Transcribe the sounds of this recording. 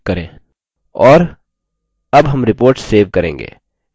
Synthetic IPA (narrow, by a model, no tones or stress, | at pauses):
kɐɾḛ̃ː | ɔːɾ | ɐbɦɐmɾɪpoːɾʈsseːʋkɐɾḛ̃ːŋɡḛː